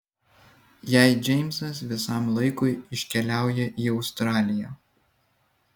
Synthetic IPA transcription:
jæˑɪd͡ʒʲɛɪmʲsɐsʋʲɪsɐˑmlˠɐɪkʊɪɪʃʲkʲɛlʲæˑʊjɛʔiːɒʊst̪ɾɑːlʲɪjæː

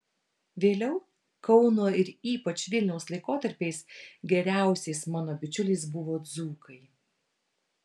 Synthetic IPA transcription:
ʋʲeːlʲɛʊ | kɒʊnoːɪɾiːpɐt͡ʃʲʋʲɪlʲnʲɛʊslˠɐɪkoːt̪ɐɾʲpʲeɪsɡʲɛɾʲæˑʊsʲeɪsmɑːnoːbʲɪt͡ʃʲʊlʲeɪsbʊʋoːd̪zuːkʰɐɪ

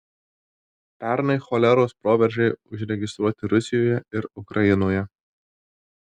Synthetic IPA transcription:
pʲæɾnɐɪxɔlʲɛɾoːspɾoːʋʲɛɾʲʒʲɛɪʊʒʲɾʲɛɡʲɪst̪ɾuɔt̪ʲɪɾʊsʲɪjoːjɛɪɾʊkɾʔɐjɪnoːjɛ

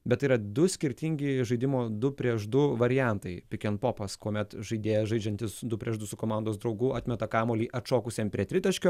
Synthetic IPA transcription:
bʲɛt̪iːɾɐd̪ʊsʲkʲɪɾʲt̪ʲɪŋʲɡʲɪʒɐɪd̪ʲɪmoːd̪ʊpʲɾʲiɛʃd̪ʊʋɐɾʲɪjæˑnt̪ɐɪpʲɪkʲɛnpoːpɐskoːmʲɛt̪ʒɐɪd̪ʲeːjɛʒɐɪd͡ʒʲɛnʲt̪ʲɪsd̪ʊpʲɾʲiɛʒd̪ʊsʊkoːmɑˑnd̪oːsd̪ɾɒʊɡʊɑːt̪ʲmʲɛt̪ɐkɑːmoːlʲiːʔɐt̪t͡ʃoːkʊsʲeːmpʲɾʲiɛt̪ʲɾʲɪt̪ɐʃʲkʲoː

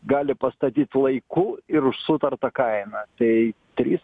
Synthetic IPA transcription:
ɡɑːlʲɪpɐst̪ɐt̪ʲiːt̪ʲlˠɐɪkʊɪɾʊʃsʊt̪ɐrt̪ɐkɐɪnɐt̪ɐɪt̪ʲɾʲiːs

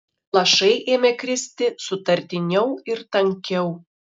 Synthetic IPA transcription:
lˠɐʃɐɪʔeːmʲekʲɾʲɪsʲt̪ʲɪsʊt̪ɐɾʲt̪ʲɪnʲɛʊɪɾt̪ɐŋʲkʲɛʊ

